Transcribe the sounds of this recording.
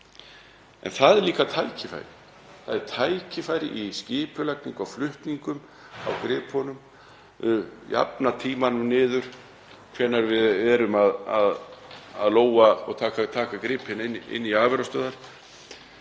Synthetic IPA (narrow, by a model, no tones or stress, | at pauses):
ɛ̰nθaðɛɾliːkat̪ʰajcɪfa̰jɾɪ | θaðɛɾ̥t̪ʰaːjcɪfaːjɾɪ̰ʔiscɪːpʏlakniŋkawflʏht̪niŋkʏm | a̰wkɾɪːphɔnʏm | ja̰pnat̪ʰiːmanʏmnɪːðʏɾ̥ | kʰvɛnːaɾvɪðɛːɾʏmaða̰ða̰ðloːwaɔ̰ɣt̪ʰaːkat̪ʰaːkakɾɪːphɪnːɪnːɪ̰nːiaːvɛɾast̪œːðaɾ̥